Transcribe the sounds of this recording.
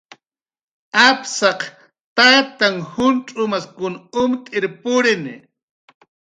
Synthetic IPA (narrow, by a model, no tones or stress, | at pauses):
apsɑq | t̪at̪aŋhʊnt͡ʃʼʊmaskʊnʊmt̪ʼɪɾpʊɾɪnɪ